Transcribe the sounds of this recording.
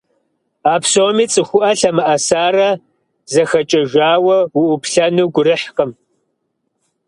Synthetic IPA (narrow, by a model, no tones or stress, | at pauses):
aːpʰsoːmiːt͡sʼɨxʷʊʔɐɬɐmɨʔɐsaːrɐ | zɐxɐt͡ʃʼɐʒʷaːwɐwuʔʊpʰɬɐnuːɡʷʊɾɨħqəm